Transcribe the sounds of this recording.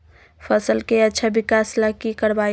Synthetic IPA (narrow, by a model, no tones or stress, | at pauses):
fʰəsəlkeɐtːʃʰabɪkaːslakikəɾbaː